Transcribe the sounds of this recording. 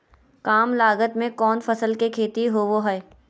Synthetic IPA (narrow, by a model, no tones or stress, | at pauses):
kaːmlaːɡət̪mẽkɔːnfɐsəlkekʰeːt̪iɦoʋoɦɛe